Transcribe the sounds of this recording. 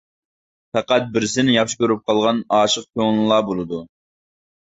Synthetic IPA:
pæqæt̪̚bɪɾsɪnɪjɑχʃi̥kʲøɾyp̚qʰɑlˠʁɑnɑːʃəq̚kʲʰøŋlɨlˠɑːbolˠɨd̪u

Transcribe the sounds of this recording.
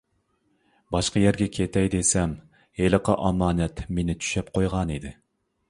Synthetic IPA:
bɑʃqɑjɛɾɡʲɛkʲʰet̪ɛjd̪esɛm | elˠəqʰɑʔɑmɑːnɛt̪menɪt̪ʰy̥ʃɛpqʰojʁɑnid̪ɪ

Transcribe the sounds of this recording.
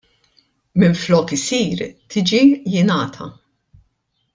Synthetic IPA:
mɪɱflɔːkɪsiːɾt̪ʰiːd͡ʒijɪnɐːt̪ʰɐ̰

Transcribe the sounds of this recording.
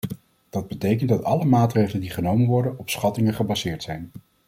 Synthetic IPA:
d̥ɑd̚bətejkəntdɑtɑləmaːtrejχələndiχənowmənʋɔɹdənɔpsχɑtɪŋəχəbɑzɪːɹtsɛjn

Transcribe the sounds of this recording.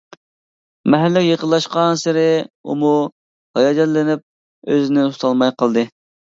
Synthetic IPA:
mɛɦælːɪkʲjəqəlˠːɑʃqɑnsɪɾɪṵmu | hɑjɑːd͡ʒɛt̪lɪnɪp̚ | øzɪnɪt̪ʰu̥t̪ʰɑlˠmɑjqəlˠd̪ɨ

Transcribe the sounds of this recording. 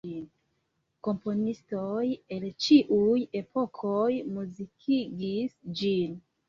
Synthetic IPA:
in | ko̞mpo̞nistoje̞lt͡ʃiʔuje̞po̞kʰojmuzikʰiɡisd͡ʒin

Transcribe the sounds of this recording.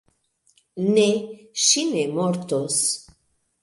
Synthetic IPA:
neʃinemoɾt̪os

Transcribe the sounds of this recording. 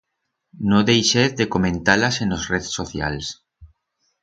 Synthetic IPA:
nõðejʃeððekomẽnt̪alasenosreðsoθja̰ls

